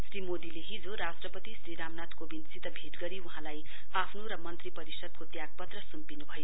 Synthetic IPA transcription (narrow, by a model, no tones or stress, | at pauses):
srimod̪ileɦid͡zoɾasʈrʌpʌt̪isriɾamnat̪kobint͡sit̪ʌbʱeʈɡʌɾiuɦãlaj | apʰnoɾʌmʌnt̪ripʌɾisʌd̪̚kot̪jaɡ̚pʌt̪rʌsumpinubʱʌjo